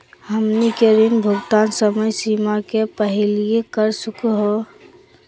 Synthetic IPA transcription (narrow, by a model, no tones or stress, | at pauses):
həmnikeɾɪnbʱʊɡt̪aːnsəməjsiːmakepəɦɪlijekəɾsʊkɦo